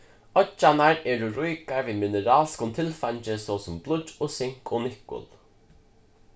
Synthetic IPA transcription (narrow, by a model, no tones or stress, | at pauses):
ɔt͡ʃanaɹɛːɾuɾujkaɹviːmɪnəɾaːlskʊnt̪ʰɪlfant͡ʃɪsɔːsʊmblˠʊt͡ʃɔsɪŋ̥kɔnɪkʊ̰lˠ